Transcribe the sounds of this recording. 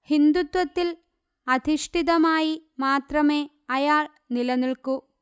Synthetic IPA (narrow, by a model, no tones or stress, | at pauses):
hind̪ut̪wɐt̪ːil | ɐd̪ʱiʂʈʰiðɐmaːjimaːt̪rɐme̞ː | ɐjaːɭ | nilɐniɭku